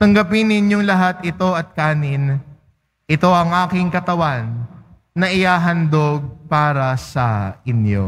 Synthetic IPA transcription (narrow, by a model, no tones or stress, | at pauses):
t̪ɐŋɡɐpɪnɪnjoŋlɐɦat̪ɪt̪o̞ʔɐt̪̚kaːnɪn | ʔɪt̪o̞ʔɐŋʔaːkɪŋkɐt̪ɐwanː | ɐʔɪhaːɦɐnd̪oɡ̚paːɾɐsɐʔɪnjo̞̰